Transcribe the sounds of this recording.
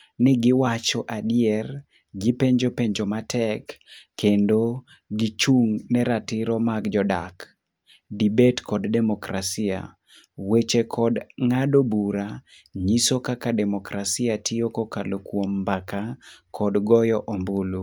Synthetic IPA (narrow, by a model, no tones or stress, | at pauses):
nɛɡɪwat͡ʃɔʔadɪɛr | ɡipeɲd͡ʒopeɲd͡ʒomatɛkːendo | ɡit͡ʃuŋnɛɾatɪɾɔmaɡd͡ʒɔda̰k | dibetkɔddɛmɔkɾasia̰ | wet͡ʃekʰɔdŋadobuɾa | ɲisokakadɛmɔkɾasiatiokokalokwombakakʰɔdɡɔjɔʔombolu